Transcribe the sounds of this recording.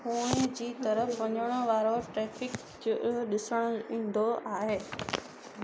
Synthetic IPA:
ɦũːd͡ʑiːt̪ɐɾəfʋɐɲəɽ̃oʋaːɾoʈɾɛːfɪk | ɗɪsəɽ̃ʊĩːn̆d̪ʱoʔaːɦeː

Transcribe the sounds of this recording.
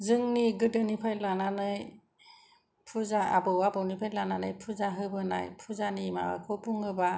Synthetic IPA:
zɯŋniɡɯdɯnipʰajlananɯj | pʰuzaa̰bɯwabɔwnipʰajlananɯjpʰuzaɦɯbɯna̰jpʰuzanima̰wa̰kʰɔpʰuŋɯba

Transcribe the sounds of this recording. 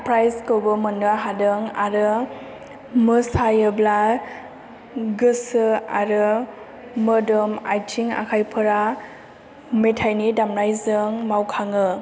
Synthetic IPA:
pɾajzkɯwbɯmɯnɯɦadɯŋa̰ɾɯ | mɯsajɯbla | ɡɯsɯa̰ɾɯ | mɯdɯmajtʰiŋa̰kʰajpʰɯɾa | metʰajnidamnajzɯŋmawkʰaŋɯ

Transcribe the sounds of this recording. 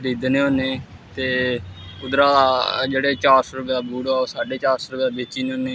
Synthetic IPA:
ɾiːd̪nẽːɦoːneːt̪eːʊd̪ɾaːd͡ʒeːɽeːt͡ʃaːɾsoːɾʊpjaːbuːɽaːoːsaːɖeːt͡ʃaːɾsoːɾʊpjaːbeːt͡ʃiːneɦõːneː

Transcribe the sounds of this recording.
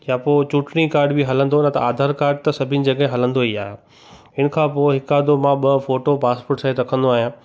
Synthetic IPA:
japoːt͡ɕuʈɽikaːɾɖbiɦɐlə̃n̆d̪onət̪ɐ̰aːd̪ʱaːɾkaːɾɖ̚t̪ɐsɐbʱɪ̃nɪ̆d͡ʑɐɠɦẽɦɐlə̃nd̪oiaːɦe | ɪnəkʰãːpoːɪɦɪkaːɾd̪omãɓɐfoːʈopaːspoɾʈsãeɾɐkʰə̃nd̪oaːɦijãː

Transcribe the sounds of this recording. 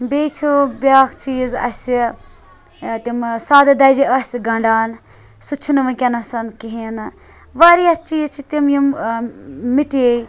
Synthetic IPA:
beːt͡ʃʰubʲaːkt͡ʃiːzɐ̰sʲi | t̪imsaːd̪ɨd̪ɐd͡ʒiɐsʲɡɐɳɖaːn | sut͡ʃʰːunʋɐkʲɐnɐsɐnkiɦenɨ | ʋaɾiɐt͡ʃiːzt͡ʃʰit̪imjim | miʈej

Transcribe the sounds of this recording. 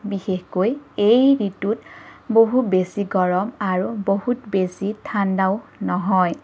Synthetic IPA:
bixexkojejɹitutboɦutbesiɡɔɹɔmaɹuboɦutbesitʰandaʊnɔɦɔj

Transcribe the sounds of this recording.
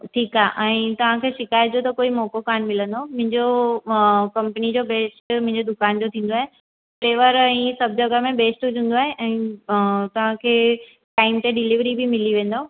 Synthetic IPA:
ʈʰiːkaːʔɛ̃ːt̪ɐʋ̤ãkʰeːʃɪkaːjd̪ijot̪ɐkoːimɔːkokaːnmɪlə̃nd̪omʊ̃ɦɪ̃ɲd͡ʑo | kɐ̃mpənid͡ʑobeːsʈmʊ̃ɦɪ̃ɲd͡ʑod̪ʊkaːnd͡ʑot̪ʰĩːn̆d̪oaːɦe | pɾeːʋəɾɛ̃ːsɐb̚d͡ʑɐɡəmẽbeːsʈd͡ʑũːn̆d̪oaːɦeʔɛ̃ː | t̪ɐʋ̤ãkʰeː | ʈaːɪmt̪eɖɪliʋɾibimɪliʋẽːn̆d̪o

